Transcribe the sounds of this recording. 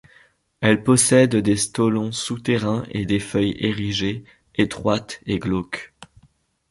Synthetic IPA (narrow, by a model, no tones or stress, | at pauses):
ɛlpɔsɛd̪d̪est̪ɔlɔ̃sut̪eʁɛ̃ʔed̪efœjeʁiʒe | et̪χwat̪eɡlok